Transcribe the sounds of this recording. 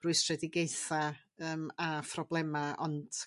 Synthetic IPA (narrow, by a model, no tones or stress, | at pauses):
rʊɨstrɛdɪɡejθa | əːmafʰrɔblˠɛmaɔnd̥